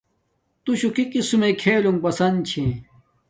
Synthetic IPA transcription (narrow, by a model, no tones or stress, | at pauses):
t̪uɕukikisumekʰeːluŋpɐsɐnt͡ɕʰẽ